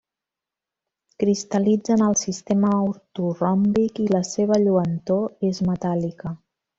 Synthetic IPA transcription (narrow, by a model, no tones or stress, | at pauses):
kɾist̪əlid͡zənəlˠsist̪eməuɾt̪urɔmbikiləseβ̞əʎuənt̪oezmət̪alikə